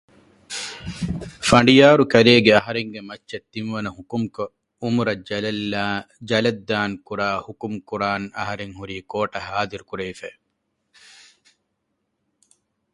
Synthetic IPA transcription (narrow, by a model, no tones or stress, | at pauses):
fɐɳɖijaːɾukɐɾeːɡeɐɦɐɾeŋɡemɐt͡ʃːʃɐt̪ːinʋɐnɐhukumko | umuɾɐd͡ʒɐlɐl | d͡ʒɐlɐd̪ːaːŋkuɾaːhukumkuɾaːnɐɦɐɾeŋhuɾiːkoːʈɐhaːd̪iɾukuɾeːfɛː